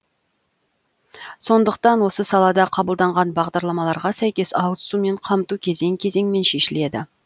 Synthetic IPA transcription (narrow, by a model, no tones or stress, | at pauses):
so̞nd̪əq̚t̪ɑnwo̞səsɑlˠɑd̪ɑqʰɑbəlˠd̪ɑɴʁɑnbɑʁd̪ɑɾlˠɑmɑlˠɑɾʁɑsæjkʲe̞sɑwt̪sume̞ɴqʰɑmt̪ukʲʰe̞ze̞ŋkʲʰe̞ze̞ŋme̞nʃe̞ʃɪle̞d̪ɪ